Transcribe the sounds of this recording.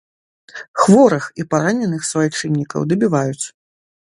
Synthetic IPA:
xvɔɾɐxipaɾanʲɛnɨxsvajit͡ʂɨnʲːikɐ̰wd̪ɐbʲivajut̪sːɐ̥

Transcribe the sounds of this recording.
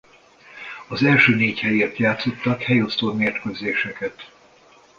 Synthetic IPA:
ɒzɛlʃøːneːchɛjeːrt̪jaːt̪so̞t̪ːɒkhɛjo̞st̪oːmeːrt̪køzeːʃɛkɛt̪

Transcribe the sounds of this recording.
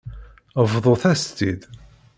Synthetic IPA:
vðˤoθæst̪id̪

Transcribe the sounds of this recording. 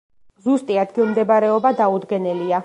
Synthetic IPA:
zust̪ʼiad̪ɡilˠmd̪ɛbɾɛɔbad̪aud̪ɡɛnɛlia

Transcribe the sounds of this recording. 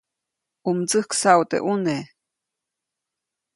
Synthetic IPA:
umt͡sɨhksawt̪ḛʔune

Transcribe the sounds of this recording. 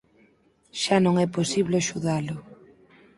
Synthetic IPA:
ʃanõŋɛposiβleaʃuðalʊ

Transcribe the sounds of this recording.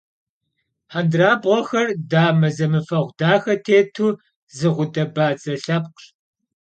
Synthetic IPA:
ħandraːbʁʷɔxɐrdaːmɐzɐmɨfɐʁʷdaːxɐtʰeːtʰuː | zɨʁʷʊdʼɐbaːt͡sʼɐɬɐp̚qɬ

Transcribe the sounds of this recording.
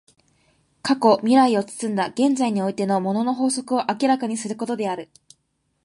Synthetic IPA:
kako̞mʲiɾaio̞t͡sɨ̥t͡sɨ̃nd̪aɡ̥ẽ̞nd͡zaiɲ̟io̞it̪e̞no̞mo̞no̞no̞ɦo̞ːso̞kɯ̟o̞ʔakʲiɾakaɲ̟isɨɾɯ̟ko̞t̪o̞d̪e̞aɾɯ̟

